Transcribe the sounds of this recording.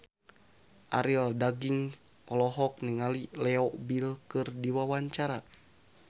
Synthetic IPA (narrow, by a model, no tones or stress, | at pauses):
ʔaɾildaɡiŋ | ɔlɔɦɔk̚nɛŋalilɛɔʔbilkɨrdiwawaɲt͡ʃaɾa